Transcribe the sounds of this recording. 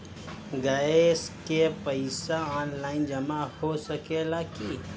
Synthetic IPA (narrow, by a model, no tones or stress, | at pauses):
ɡaeskepəɪsaaːnlaːɪnd͡ʒɐmahosəkeːlaːki